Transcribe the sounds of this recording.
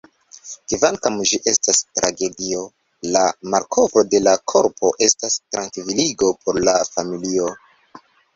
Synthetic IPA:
kivaŋkamd͡ʒiʔe̞stastɾʔa̰ɡe̞dio̞ | lamaɾkʰo̞vɾo̞de̞lakʰo̞ɾpʰo̞ʔe̞stastɾaŋkviliɡo̞pʰo̞ɾlafamilio̞

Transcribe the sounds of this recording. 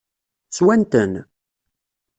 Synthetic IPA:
t͡swænt̪ən

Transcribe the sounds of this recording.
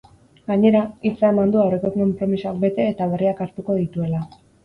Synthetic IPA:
ɡaɲe̞ɾait͡sae̞mand̪uawre̞ko̞ko̞mpɾo̞misoakbe̞t̪e̞ːt̪aβ̞e̞riakaɾt̪uko̞ð̞it̪ue̞la

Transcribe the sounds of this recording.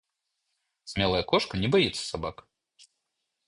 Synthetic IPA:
sʲmʲɛlˠɐjɐkɔʂkɐnʲɛbajɛt̪sːə̥sabak

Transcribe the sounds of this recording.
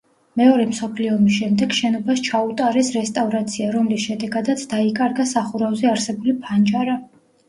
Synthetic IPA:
mɛɔɾɛmsɔpʰliɔmisʃɛmd̪ɛɡʃɛnɔbaʃt͡ʃʰaut̪ʼaɾɛsɾɛst̪ʼavɾat̪sʰiaɾɔmlisʃɛd̪ɛɡad̪at̪sʰd̪aikʼaɾɡasaχuɾavzɛaɾsɛbulipʰand͡ʒaɾa

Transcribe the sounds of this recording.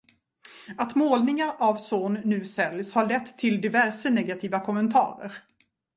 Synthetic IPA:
at̪moːlnɪŋaɾavsoːnːʉ̟ːsɛljshaɭɛt̪ʰːɪld̪ɪvæɾʂənɛɡat̪ʰiːvakʰɔmənt̪ʰɑ̰ːɾə̰ɾ

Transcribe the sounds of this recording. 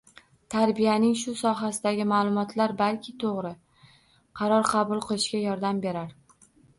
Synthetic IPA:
t̪ʰaɾbijanɪŋʃʊsɒɦasɪd̪aɡʲɪmaːlˠʊmɒt̪ʰlaɾbalkʲʰɪt̪ʰoʁɾɪ | qʰɑɾɒɾqʰɑbʊlˠqʰɨlˠɪʃkʲajɒɾd̪ambe̞ɾaɾ

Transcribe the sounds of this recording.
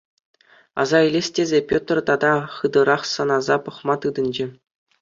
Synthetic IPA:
ɑ̰zɑilʲesʲtʲezʲepʲot̪rt̪ɑd̪ɑχɯd̪ɤ̆ɾɑχsɤ̆nɑzɑpɤ̆χmɑt̪ɯd̪ɤ̆nʲd͡ʑɘ̆

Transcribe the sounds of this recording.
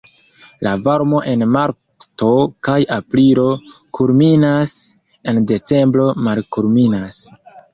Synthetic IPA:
lʔavaɾmo̞ʔe̞nmaɾ | to̞kajapliɾo̞kuɾminas | e̞nde̞t͡se̞mbɾo̞malkuɾminas

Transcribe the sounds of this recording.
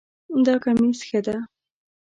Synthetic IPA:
d̪ɑkamisxəd̪a

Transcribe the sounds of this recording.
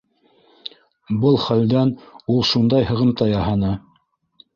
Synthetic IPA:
bɤlˠχæld̪ænulˠʃund̪ɑjhɤ̆ʁɤ̆mt̪ɑjɑhɑnɤ

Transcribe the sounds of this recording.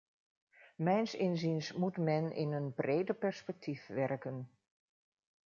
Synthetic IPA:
mɛjnsɪnzinsmutmɛnʔɪ̰nənbrejdəpɛɹspɛk̚tʰifʋɛrkən

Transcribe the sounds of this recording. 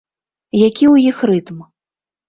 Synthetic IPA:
jakʲiwjixrɨt̪m

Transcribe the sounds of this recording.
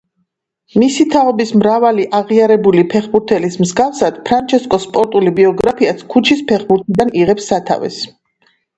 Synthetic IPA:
misit̪ʰaɔbismɾavaliʔaʁiaɾɛbulipʰɛχbuɾt̪ʰɛlismzɡafsad̪̥pʰɾant͡ʃʰɛskʼɔspʼɔɾt̪ʼulibiɔɡɾapʰiat̪skʰut͡ʃʰispʰɛχbuɾt̪ʰɛd̪aniʁɛpsːat̪ʰa̰vɛ̰s

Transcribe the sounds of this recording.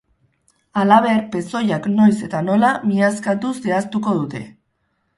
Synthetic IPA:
alaβ̞e̞ɾpe̞so̞jakno̞jse̞t̪ano̞lamiaskat̪useast̪uko̞ðut̪e̞̰

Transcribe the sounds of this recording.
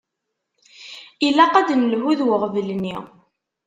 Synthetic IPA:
ilæqæd̪nəlʕuðwəʁvəlnːi

